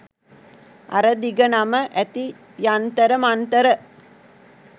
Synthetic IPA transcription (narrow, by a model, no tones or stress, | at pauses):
a̰ɾəd̪iɡənaməʔæt̪i | jant̪əɾəmant̪əɾə